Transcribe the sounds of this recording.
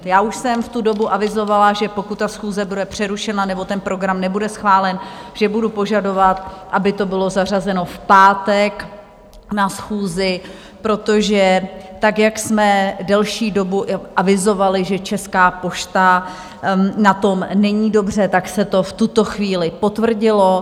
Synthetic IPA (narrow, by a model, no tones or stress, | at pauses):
jaːʔuʃsɛmft̪udo̞buʔavɪzo̞valaʒɛpo̞kut̪t̪ːasxuːzɛbudɛpr̝̥ɛɾuʃɛnanɛbo̞t̪ɛnpɾo̞ɡɾamnɛbudɛsxvaːlɛnʒ̥ɛbudupo̞ʒado̞vat̪ʔabɪt̪o̞bɪlo̞zar̝azɛno̞fpaːt̪ɛk | nasxuːzɪ | pɾo̞t̪o̞ʒɛt̪akjaksmɛdɛlʃiːdo̞buʔʔavɪzo̞valɪʒɛt͡ʃɛskaːpo̞ʃt̪a | nat̪o̞mnɛɲiːdo̞br̝ɛt̪aksɛt̪o̞ft̪ut̪o̞xviːlɪpo̞t̪vr̩ɟɪlo̞